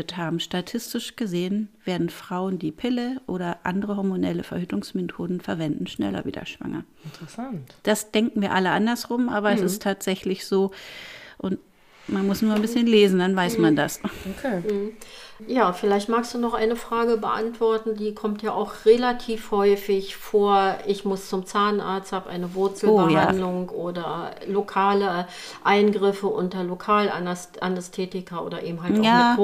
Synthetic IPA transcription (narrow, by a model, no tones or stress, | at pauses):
əthaːbm̩ʃtatʰɪstɪʃɡ̥əzeːənv̥eːɐdn̩fʁ̥aʊəndiːpʰɪləʔoːɾɐʔa̰ndəʁəɦɔɐmonɛləfɛɐhyːtʊŋsmetʰoːdn̩fɛɐvɛndn̩ʃnɛ̰lɐ̰vḭːdɐ̰ʃv̥a̰ŋɐ̰ | ntʁ̥əsantd̥asd̥ɛŋkŋ̩viːɐʔaləʔandɐsʁʊmʔaːβɐɛsɪstʰːaːtz̥ɛçlɪçz̥oː | ʔʊnt | manmʊsnuːɐnbɪsçənleːzn̩danvaɪsmandasokʰeːm̩jaːfɪlaɪçtmaːkstd̥uːnɔχʔa̰ɪnəfʁ̥aːɡəbəʔa̰ntv̥ɔɐtn̩diːkʰɔmtjaːʔaʊxʁelatʰiːfhɔʏfɪçfoːɐʔɪçmʊst͡sʊmt͡saːna̰ɐt͡sthaːbəʔa̰ɪnəvʊɐt͡sl̩ːjaːndlʊŋʔoːdɐlokʰaːlə | ʔaɪnɡʁɪfəʔʊ̰ntɐlokʰaːl | ʔanɛstʰeːtɪkʰɐʔo̰ːdɐʔḛːbm̩ɦalaː